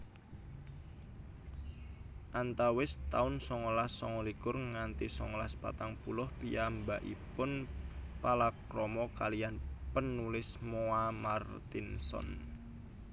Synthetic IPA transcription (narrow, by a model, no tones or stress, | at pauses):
ʔant̪awɪst̪aʊnsɔŋɔlasːɔŋɔlikʊrŋant̪isɔŋɔlaspa̰t̪aŋpulʊhpiambaʔḭpʊnpalakrɔmɔkalijanpənːulɪsmoamart̪insɔ̰n